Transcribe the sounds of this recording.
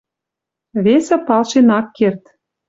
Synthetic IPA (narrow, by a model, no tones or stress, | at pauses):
βesɘ̆pɑlʃenɑkːert̪